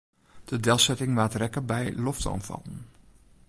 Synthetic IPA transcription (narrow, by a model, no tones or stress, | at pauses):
d̥ədɛlˠsɛtɪŋʋaːtrɛkəbɛjlɔfda̰wnfɑ̰lˠən